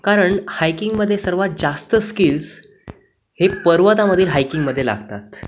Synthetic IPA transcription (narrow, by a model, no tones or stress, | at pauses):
kaɾəɳhajkiŋɡməd̪ʱːjesəɾʋat̪̚d͡zast̪əskiːls | hepəɾʋət̪aməd̪ʱiːlɦajkiŋɡməd̪ʱjela̰ɡt̪at̪